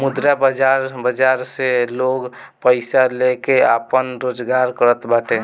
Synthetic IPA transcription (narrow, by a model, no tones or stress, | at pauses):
mud̪ɾabəd͡ʒaɾbəd͡ʒaɾseloɡ | pəɪsalekeapənɾod͡ʒɡaɾkəɾət̪baʈe